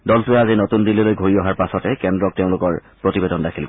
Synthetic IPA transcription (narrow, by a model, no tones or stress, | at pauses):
dɔltʊɛazinotundililojɡʱoɹiɔɦaɹpasɔtɛkɛndɹɔk̚teʊ̃lʊkɔɹpɹotibedɔndakʰil